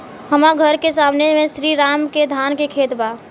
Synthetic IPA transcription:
ɦəmaɡʱəɾkesamnemesɾiɾaːmked̪ʱankekʰeːt̪ba

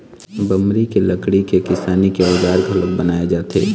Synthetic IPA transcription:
bɐmɾikelɐkɽikekɪsaːnikeʊd͡ʒaːɾɡʱɐlək̚bɐnaːed͡ʒaːt̪ʰḛː

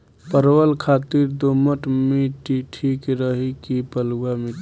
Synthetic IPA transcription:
pəɾwəlkʰat̪iɾd̪oməʈmiʈiʈʰikɾəɦikipəluwamit

